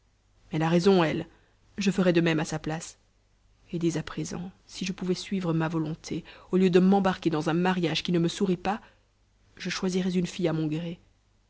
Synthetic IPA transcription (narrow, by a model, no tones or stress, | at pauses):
mɛlaʁɛzɔ̃ɛl | ʒəfəʁɛd̪əmɛmasaplas | ed̪ezapχezɑ̰̃ | siʒəpuvɛsɥivʁəmavɔlɔ̃t̪ʰeoljød̪əmɑ̃baʁkʲed̪ɑ̃zɛ̃maʁjaʒkʲinəməsuʁipa | ʒəʃwaziʁɛzynfijamɔ̃ɡʁe